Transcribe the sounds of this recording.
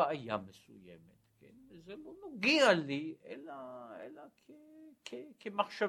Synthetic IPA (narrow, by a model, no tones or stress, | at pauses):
aaja̰mesṵjḛmet̪kʰɛnvezɛlonoɡialiʔɛ̰laḛlakʰekʰekʰemaχʃa